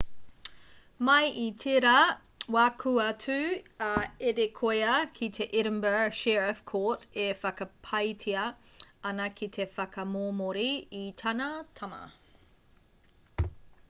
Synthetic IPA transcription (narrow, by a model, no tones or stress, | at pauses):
mɐjʔitʰeɾɐ | wakʰuɐtʉɐeɾekʰoeɐkʰit̪ʰeʔɪɾəmbə˞ʃɛɹɐfkʰoːtefɐkɐpʰɐjtʰiɐ | ɐnɐkʰit̪ʰe̞fɐkɐmoːmoɾiːt̪ʰɐnɐtʰɐmɐ̰